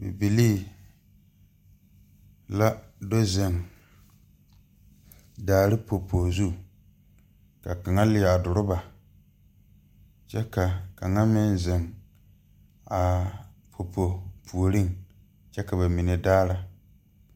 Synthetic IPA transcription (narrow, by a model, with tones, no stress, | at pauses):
bɪ̰˨bi˨liː˦ | la˦do˦zɪ˨ŋ | daː˨ɾɪ˦pʰo˨pʰo˨zu˦ | ka˨ka˨ŋa˦lɪ˨a˨dʊ˨ɾʊ˦ba˨ | t͡ʃɛ˦ka˨ka˨ŋa˦mɪ˦n˦zɪ˨ŋ | a˨pʰo˨pʰo˨pʰu˨o˨ɾɪ˦ŋ | t͡ʃɛ˦ka˨ba˨mi˨nɛ˨daː˦ɾa˦